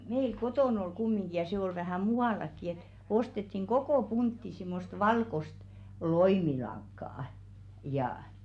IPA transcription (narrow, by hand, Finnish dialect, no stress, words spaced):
meil kotoˑn ol kumːiŋɡ̊i jɑ se ol ʋæhæˑ muɑˑlɑkːi et ostetːiŋ ɡ̊okoˑ puntːi simːost ʋɑlkost loimilɑŋkːɑˑɑ̆ jɑˑh̆